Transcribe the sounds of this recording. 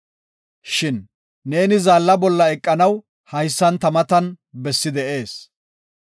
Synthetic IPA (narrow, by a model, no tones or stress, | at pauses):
ʃɪnː | e̞ːnɪzaːlːɐbɔlːɐɛkʼːɐnɐw | hɐjsːɐnt̪ɐmɐt̪ɐn | bɛsːɪd̪ɛʔe̞ːs